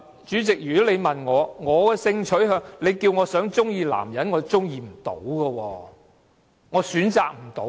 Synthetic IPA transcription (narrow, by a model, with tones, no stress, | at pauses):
t͡ʃyː˨˥t͡sɪ˨k̚jyː˨kɔ˨˥le˨˧jmɐ˨nŋɔː˨˧ŋɔː˨˧kɛː˧sɪ˧ŋt͡ʃʰɵ˨˥ɥɦœ˧ŋle˨˧jkiː˧wŋɔː˨˧sœː˨˥ŋt͡sʊ˥ŋjiː˧la̰ː˨˩mjɐ˨˥nŋɔː˨˧t͡sʊ˥ŋjiː˧m̩˨˩t̪o̰˨˥wkɐː˧wɔː˧ | ŋɔː˨˧syː˨˥nt͡saː˨k̚m̩˨˩t̪o˨˥w